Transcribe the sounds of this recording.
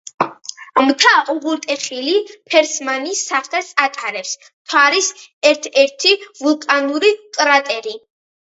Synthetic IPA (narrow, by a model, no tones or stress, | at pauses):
mt̪ʰaʔuʁuɾt̪ʼɛχilipʰɛɾsmanisːaχt̪ʰɛsat̪ʼaɾɛps | t̪ʰwaɾisɛɾt̪ʰɛɾt̪ʰivulˠkʼanuɾiqʼɾat̪ʼɛɾi